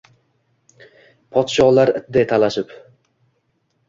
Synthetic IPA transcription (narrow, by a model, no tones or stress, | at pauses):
pʰɒt̪ʃɒlaɾɪt̪̚d̪et̪ʰalaʃɪp